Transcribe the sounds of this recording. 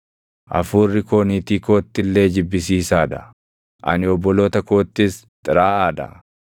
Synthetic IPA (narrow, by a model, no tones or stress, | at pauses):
ʔɐ̰fuːrːɪko̞ːniːt̪iːko̞ːt̪ːɪlːe̞ːd͡ʒɪbːɪsiːsaːd̪ɐ | ʔɐ̰nɪɔbːɔlo̞ːt̪ɐko̞ːt̪ːɪs | t̪ʼɪɾaːaːd̪ɐ̰